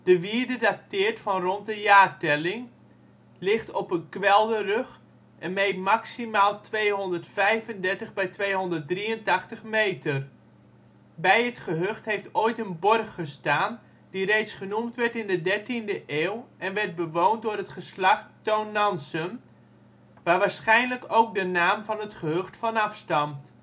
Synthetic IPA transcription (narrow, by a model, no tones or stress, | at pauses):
d̥əʋiəɹdədatɪːrtfɑnrɔnt̚dəjaːrtɛlɪŋ | lɪχtɔpənkʋɛlˠdərøχ | ʔɛnmejmaksimaːlˠtʰʋejɦɔndərtfɛjvəndɛɹtəχbɛjtʋejɦɔndərt̚driəntɑχtəχmejtər | bɛjətχəɦøχtɦejftoːjtənbɔrxːəstaːn | d̥irejtsχənumtʋɛɹtɪndədɛɹtindəʔeːwɛnʋɛrt̚bəʋoːntdʊːrətχəslɑχtːownːɑnsən | ʋaːrʋaːɹsχɛjnləkowk̚dənaːmvɑnətχəɦøxtfɑnɑfstɑmt